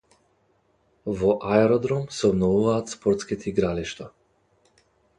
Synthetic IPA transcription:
vɔʔaɛɾɔd̪ɾɔmsɔbnɔvuvaːt̪spɔɾt̪skit̪ʰiɡɾaliʃt̪a

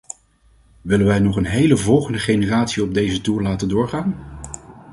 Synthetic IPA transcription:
ʋɪlənʋɛjnɔχənɦejləvɔlˠχəndəχejnəraːtsiɔb̚dejzətuːɹlaːtəndʊːɹχaːn

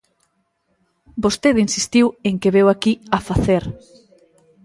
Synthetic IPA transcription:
bost̪eðinsist̪iweŋkeβɛwakiafaθeɾ

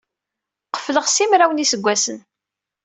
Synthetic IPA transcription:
qə̥fləʁsimɾæwənisəɡʷːæsən

